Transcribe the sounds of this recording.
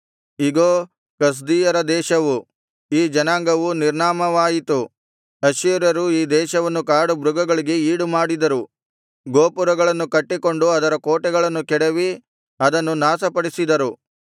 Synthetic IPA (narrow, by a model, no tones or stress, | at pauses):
iɡoː | kɐs̬d̪iːjɐɾɐd̪ɛːʃɐʋu | iːd͡ʒɐnaːŋɡɐʋuniɾɳaːmɐʋaːjit̪u | ɐʃiɾɐɾuiːd̪ɛːʃɐʋɐnːukaːɽubɾuɡɐɡɐɭiɡe̞iːɽumaːɽid̪ɐɾu | ɡoːpuɾɐɡɐɭɐnːukɐʈːiko̞ɳɖuɐd̪ɐɾɐkoːʈɛɡɐɭɐnːukɛɽeʋi | ɐd̪ɐnːunaːsɐpɐɽisid̪ɐɾu